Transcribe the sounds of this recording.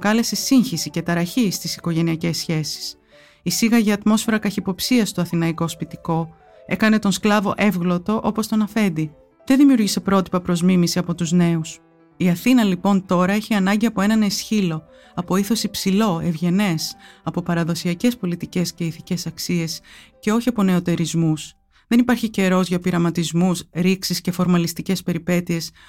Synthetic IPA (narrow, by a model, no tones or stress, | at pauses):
kɐle̞se̞siɲçisice̞t̪ɐɾɐçist̪isiko̞ʝe̞niɐce̞sçe̞si̥s | isiɣɐʝɐːt̪mo̞sfe̞ɾɐkɐçipo̞psiɐst̪o̞ɐθinɐiko̞spit̪iko̞ | e̞kɐne̞t̪o̞nsklɐvo̞̰ʔe̞vɣlo̞t̪o̞ʔo̞po̞st̪o̞nɐfe̞nd̪i | ðe̞nðimijuɾʝise̞pɾo̞t̪i̥pɐpɾo̞zmimisiɐpo̞t̪uzne̞us | iɐθinɐlipo̞nt̪o̞ɾɐeçiɐnɐɲɟiɐpo̞e̞nɐnesçilo̞ | ɐpo̞iθo̞sipsilo̞e̞vʝe̞ne̞sɐpo̞pɐɾɐðo̞siɐce̞spo̞lit̪ice̞sceiθice̞sɐksie̞sce̞o̞çiɐpo̞ne̞o̞t̪e̞ɾizmus | ðe̞nipɐɾçice̞ɾo̞zʝɐpiɾɐmɐt̪izmusɾiksisce̞fo̞ɾmɐlist̪ice̞spe̞ɾipe̞t̪ie̞s